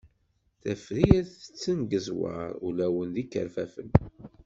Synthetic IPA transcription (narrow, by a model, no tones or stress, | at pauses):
θæfɾiæθə̥t͡sːənɡəzwɑ̰ɾˤulæwənðikːə̰ɾfæfə̰n